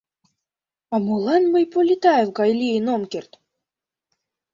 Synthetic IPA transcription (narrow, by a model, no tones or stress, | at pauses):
ɑmolˠɑnmɤjpolʲit̪ɑevɡɑjlʲienomkʲert̪